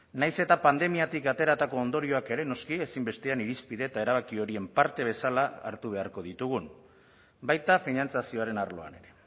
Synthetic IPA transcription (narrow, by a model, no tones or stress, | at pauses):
najse̞t̪apand̪e̞miat̪ikat̪e̞ɾat̪ako̞ːnd̪o̞ɾio̞ake̞ɾe̞no̞skie̞simbe̞st̪e̞aniɾispiðe̞t̪ae̞ɾaβ̞akio̞ɾie̞mpaɾt̪e̞β̞e̞salaa̰ɾt̪uβ̞e̞aɾko̞ðit̪uɣ̞un | bajt̪afinant͡sasio̞aɾe̞naɾlo̞a̰ne̞ɾe̞